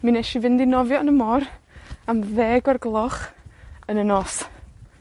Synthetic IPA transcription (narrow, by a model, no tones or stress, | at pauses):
minɛʃivɪndinɔvjɔnəmɔramðɛːɡɔrɡlˠɔχənənɔs